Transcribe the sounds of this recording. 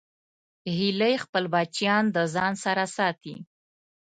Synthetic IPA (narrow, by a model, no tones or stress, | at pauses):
hilajxpəlbɑt͡ʃijɑnd̪əzɑnsaɾasɑt̪ḭ